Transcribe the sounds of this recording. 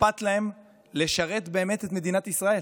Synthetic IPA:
pat̪lae̞m | le̞ʃaʁe̞t̪be̞ːme̞t̪et̪me̞d̪inat̪isʁae̞l

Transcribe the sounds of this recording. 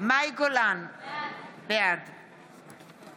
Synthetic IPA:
majɡolan | bɛɾd̪

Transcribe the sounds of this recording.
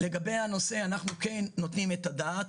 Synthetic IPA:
leɡabe̞jano̞seanaχnuke̞nːo̞t̪nimet̪ad̪at̪

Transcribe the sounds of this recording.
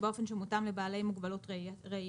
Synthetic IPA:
beo̞fe̞nʃemutamlebaːle̞jmuɡbalo̞tʁʁe

